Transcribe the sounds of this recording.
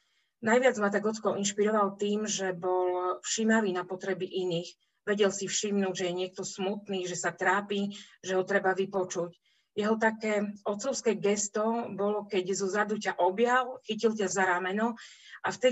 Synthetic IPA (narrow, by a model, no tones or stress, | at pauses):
najʋɪad͡zmat̪aɡɦɔt͡skɔʔinʃpiɾɔʋalt̪iːmʒɛbɔlfʃimaʋiːnapɔt̪ɾɛbiʔiniːɣ | ʋɛɟɛlsifʃimnuːɟʒɛjɛɲɪɛk̚t̪ɔsmut̪niːʒɛsat̪ɾaːpiʒɛɦɔt̪ɾɛbaʋipɔt͡ʃuc | jɛɦɔt̪akɛːɔt̪t͡sɔʊskɛːɡɛst̪ɔbɔlɔkɛɟzɔzad̪ucaʔɔbjalxicilcazaɾaːmɛnɔ | ʔaft̪ɛ